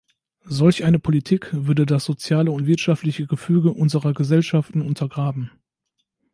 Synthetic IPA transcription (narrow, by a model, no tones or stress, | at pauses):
zɔlçʔaɪnəpʰolitʰiːkv̥ʏɐdədasz̥ot͡sjaːləʊntv̥ɪɐtʃaftlɪçəɡəfyːɡəʔʊnzəʁɐɡəzɛlʃaftn̩ʊntʰɐɡʁaːbm̩